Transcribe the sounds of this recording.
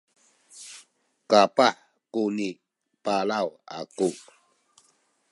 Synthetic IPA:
kapaħ | kuni | palawa̰ku

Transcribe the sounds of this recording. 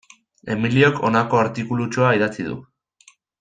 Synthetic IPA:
e̞̰milio̞kʰo̞̰nako̞aɾt̪ikulut͡ʃoaiðat͡siðṵ

